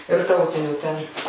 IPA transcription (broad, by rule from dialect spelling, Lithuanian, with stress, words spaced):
ɪr ˈtɐʊtʲɪnʲuː tʲɛn